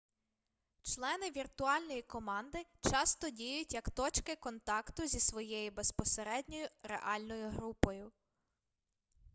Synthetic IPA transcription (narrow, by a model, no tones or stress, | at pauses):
t͡ʃlˠɛnɪʋʲirt̪ʊɑlʲnɔjikɔmɑnd̪ɪt͡ʃɑst̪ɔdʲijʊtʲjɐkt̪ɔt͡ʃkɪkɔnt̪ɑkt̪ʊzʲisʋɔjejibe̞spɔseɾɛdʲnʲɔjʊɾḛʔɑlʲnɔjʊɦɾupɔjʊ